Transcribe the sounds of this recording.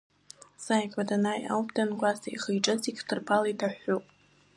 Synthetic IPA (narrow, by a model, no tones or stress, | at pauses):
sajkʷʼadanaja̰wbʼdanɡʷʼasaiχəjʈ͡ʂʼɨzikʲʰtʰɨrpʰalaitʰaħʷupʼ